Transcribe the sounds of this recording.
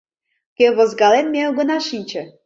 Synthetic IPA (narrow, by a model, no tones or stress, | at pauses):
kʲeβozɡɑlenmeoɣɤ̆nɑʃinʲt͡ɕə̆